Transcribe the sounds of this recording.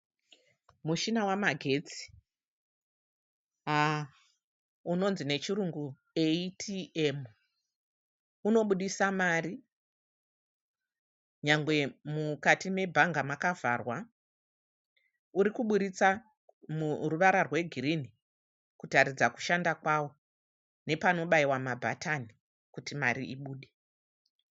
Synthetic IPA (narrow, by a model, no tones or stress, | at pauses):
muʃinawamaɡʱe̞t͡si̥ | a | uno̞nzine̞t͡ʃiɾuŋɡu | eitʰiem | uno̞ɓuɗisamari | ɲaŋɡwe̞mukatime̞bʱaŋɡamakavarwa | uɾikuɓuɾit͡sa | muruʋaɾarwe̞ɡʱirini | kutaɾid͡zaku̥ʃandakwawo̞ | ne̞pano̞ɓaiwamabʱa̰tʰani | kutimaɾiiɓuːɗe